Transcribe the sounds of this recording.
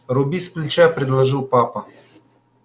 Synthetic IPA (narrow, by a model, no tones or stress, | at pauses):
ɾɔbisplʲit͡ʃɛpɾɛd̪lˠɐʒɪwpɑpɐ